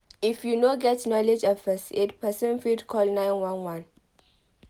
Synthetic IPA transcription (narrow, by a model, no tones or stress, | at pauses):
ifjunoɡɛtnɔlɛd͡ʒɔfɛset̚pʰɛsə̃nfidkʰɔlnãɪnwãnwãn